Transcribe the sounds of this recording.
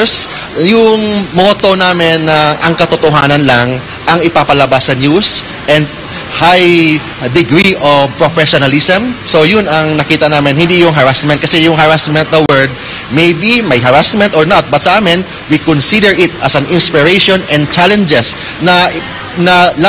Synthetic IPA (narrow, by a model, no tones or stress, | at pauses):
s | jʊŋmoːt̪o̞naːmɪnːɐʔɐŋkɐt̪ot̪oɦaːnɐnlaŋ | ʔɐŋɪpapɐlɐbasːɐnjus | ʔɛnd̪̚ | haj | d̪ɪɡɹiʔopɹofɛʃonalisɐmsojʊnɐŋnɐkiːt̪ɐnaːmɪnhɪnd̪ijʊŋɦɐɹasmɛnt̪̚kɐsɛjʊŋɦɐɹasmɛ̃nt̪̚d̪ɐwɛɹd̪̚ | mɛjbimɐjɦɐɾasmɛ̃nt̪oɹnat̪̚bɐt̪sɐʔaːmɪn | wikonsid̪ɛɹɪt̪̚ɐsɐnɪnspɪɹɛjʃonɛ̃nd̪̚t͡ʃalɛnd͡ʒɛs | nɐ | nɐla